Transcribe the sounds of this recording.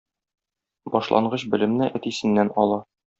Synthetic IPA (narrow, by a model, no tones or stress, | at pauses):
bɒʃlˠʔɑ̰ɴɢɤɕbɘ̆lɘ̆mnɘʔæt̪isɘ̆nːænɒlˠɑ